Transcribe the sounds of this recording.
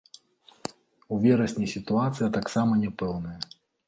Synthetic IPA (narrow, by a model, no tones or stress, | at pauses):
uvʲɛɾɐsʲnʲisʲit̪uat̪sɨjɐt̪aksamɐnʲɛpɛwnɐjɐ